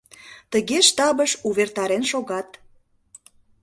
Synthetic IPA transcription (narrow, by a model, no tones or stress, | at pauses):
t̪əɣeʃt̪ɑbəʃuβert̪ɑɾenʃoɣɑt̪